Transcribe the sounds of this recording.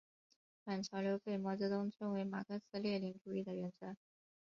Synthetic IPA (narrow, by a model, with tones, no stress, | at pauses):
fa˨˩nt͡ɕʰjɑ˧˥ʊljo˧˥ʊpe˥˩ɪmwɔ˧˥t͡sɤ˧˥t̪ʊ˥ŋʈ͡ʂʰwɤ˥nwe˧˥ɪma̰˨˩kʰɤ˥sɹ̩˥ljɛ˥˩li˧˥ŋʈ͡ʂu˨˩i˥˩d̪ə˩ɥɛ˧˥nt͡sʰa˧˥n